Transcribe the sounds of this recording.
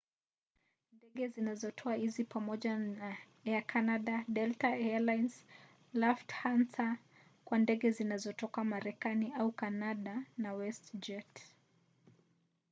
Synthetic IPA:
ndɛɠɛzinazɔtʰɔahizipamɔʄaa | ɛakʰanaɗaɗɛltaɛalajns | lɔfthansa | kwandɛɠɛzinazɔtɔkamaɾɛkaniaukanaɗanawɛstd͡ʒɛt

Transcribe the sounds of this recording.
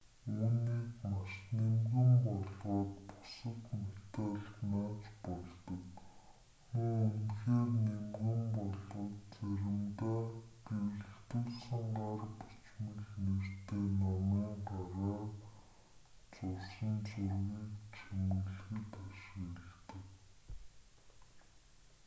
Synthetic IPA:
uːniːkmaʃnemɣɘ̆mpɔɮʁɔːt̪pʊ̥sə̆t̪met̪aːɮt̪naːt͡ɕpɔɮt̪ɞ̆k | muunxeːrnemɣɘ̆mpɔɮɔːt̪t͡sæɾʲɪ̆mt̪aːɡ̥eɮ̆xt̪ŭɮsə̆ɴɢaːrpu̥t͡ɕmə̆ɮnert̪eːnɔmiːŋɢaɾaː | t͡sʊrsə̆nt͡sʊrɣiːkt͡ɕʰɵmə̆ɮxɘ̆t̪aʃɪ̆keɮt̪ə̆k

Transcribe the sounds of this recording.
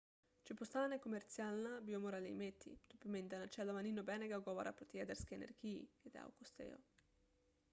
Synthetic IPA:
t͡ʃipost̪anekomert̪sjalnabiomoɾalḛjmet̪ʰːḭt̪upiment̪anat͡ʃɛlːamaninobɛneɡaɡɔvaɾapɾot̪jɛd̪ɛɾskeenḛrkiked̪ḛa̰wkost̪ɛ̰o̰

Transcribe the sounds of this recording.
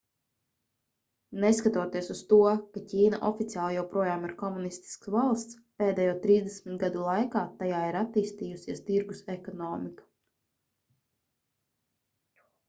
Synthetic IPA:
neskat̪uɔt̪iɛsust̪uɔkacʲiːna̰ʔɔfit̪sʲjaːlˠjɛwpɾuɔjaːmiɾkɔmunist̪i̥sksvalˠst̪speːd̪ɛːjuɔt̪ɾiːzd̪ɛsmit̪ɡad̪ulˠajkaːt̪ajaːiɾat̪ːiːst̪iːjusʲiɛst̪iɾɡusekɔnɔːmiku̥

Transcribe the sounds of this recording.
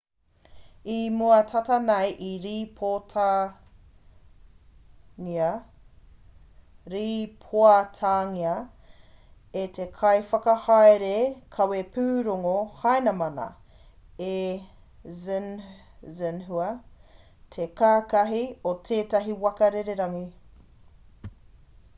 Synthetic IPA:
imuɐtʰɐtɐnɐjʔiɾipʰotʰa | ŋiɐ | ɾiːpʰoɐtʰaːŋiɐ | etʰekʰɐjfɐkɐhajɾekʰɐwepʰʉːɾoŋohɐjnɐmɐnɐ̰ | e | zn | zɛnɦuɐ | tʰekaːkɐɦiotʰeːtɐɦiwɐkɐɾeɾeɾɐŋi

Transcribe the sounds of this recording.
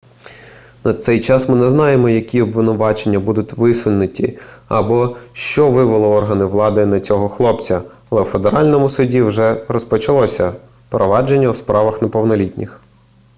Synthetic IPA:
nɐt̪sɛjt͡ʃɑsmɪnɛznɑjemɔjɐkʲiɔbʋɪnʊʋɑt͡ʃenʲːɐbud̪ʊtʲʋɪsʋʊlʲnɪtʲiɐbɔʃt͡ʃɔʋɪʋɪlˠɪɔrɦɐnɪʋlˠɑd̪ɪnɐt͡sʲɔɦɔxlˠɔpt͡sʲɐ | ɐlˠɛwfe̞d̪eɾɑlʲnɔmʊsʊdʲiwʒɛɾɔspɔt͡ʃɐlˠɔsʲɐ | pɾɔʋɑd͡ʒenʲːɐwspɾɑʋɐxnɐpɔwnɔlʲitʲnʲɪx

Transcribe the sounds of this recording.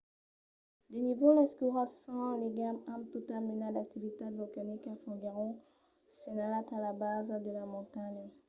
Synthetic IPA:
d̪enivolɛskuʁasɑ̃liɡamãmt̪ut̪aminad̪ak̚t̪ivit̪abɔkanikafɔ̃ɡeʁɔ̃ | senalat̪alabazd̪əlamɔ̃t̪aɲə

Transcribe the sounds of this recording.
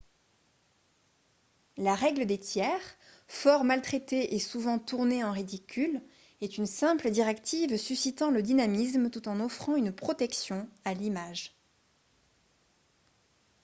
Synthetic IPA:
laʁɛɡləd̪et̪jɛʁ | fɔʁmalt̪χet̪eʔesuvɑ̃t̪uʁneɑ̃ʁid̪ikʲʰyl | ɛt̪ynsɛ̃pləd̪iʁɛkt̪ivsysit̪ɑ̃ləd̪inamismt̪ut̪ɑ̃nɔfχɑ̃ynpχɔt̪ɛksjɔ̃alimaʒ

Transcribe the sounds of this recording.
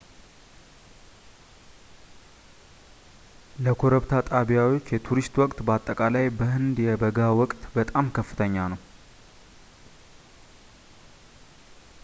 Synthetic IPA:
ləkʰoɾəβt̪ʰat̪ʼaβijawot͡ʃːjɛt̪ʰuɾist̪wɔkʼt̪bəat̪ʼːəkʼalajbəhɨnd̪jɛbəɡawɔkʼt̪bət̪ʼamkʰəfːɨt̪ʰəɲːanəw

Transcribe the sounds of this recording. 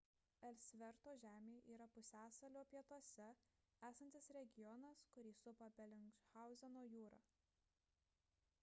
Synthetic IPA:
ɛlʲsʲʋʲɛɾt̪oːʒʲæːmʲeːʔiːɾɐpʊsʲæːsɐlʲoːpʲiɛt̪uɔsʲɛæːsɐnʲt̪ʲɪsɾʲɛɡʲɪjɔnɐskʊɾʲiːsʊpɐbʲɛlʲɪŋt͡ʃxɑˑʊzʲɛnoːjuːɾɐ̰ː

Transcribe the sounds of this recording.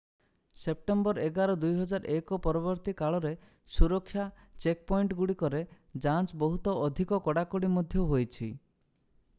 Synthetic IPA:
sep̚ʈembɔɾeɡaɾɔd̪ujɦɔd͡ʒaɾʔekɔpɔɾɔβɔɾt̪ikaɭɔɾe | suɾɔkʰːja | t͡ʃek̚pɔiɳʈɡuɽikɔɾe | d͡ʒant͡ʃbɔɦut̪ɔɔd̪ʱikɔkɔɽakɔɽimɔd̪ʱjɔɦojt͡ʃʰi

